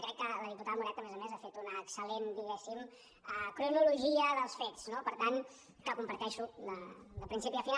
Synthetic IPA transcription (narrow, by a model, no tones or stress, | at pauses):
kɾɛkːələðiput̪aðəmuɾɛt̪əmɛzəmezafet̪unəːksəlend̪iɣɛsim | əkɾunuluʒiəðəlˠsfetsnopəɾt̪an | kəkumpəɾt̪ɛʃulələpɾinsipiəfina